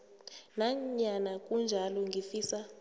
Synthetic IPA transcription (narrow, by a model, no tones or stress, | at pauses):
naɲanak̬ʼund͡ʒʱalɔŋɡʱifiːsa